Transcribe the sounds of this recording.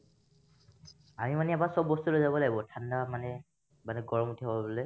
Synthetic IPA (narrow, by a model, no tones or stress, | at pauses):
amimanɛɛbasɔbːɔstulozabɔlaɡibɔtʰandamanɛ | manɛɡɔɹɔmutʰibbɔlɛ